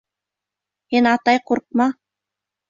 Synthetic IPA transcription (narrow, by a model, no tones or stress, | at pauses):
hinɑt̪ɑjquɾq̚mɑ